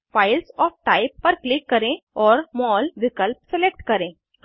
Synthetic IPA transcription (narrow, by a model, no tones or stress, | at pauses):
fajlsɔfʈaipːəɾklikːəɾẽɔɾmɔlʋikəlp̚selek̚ʈkəɾẽ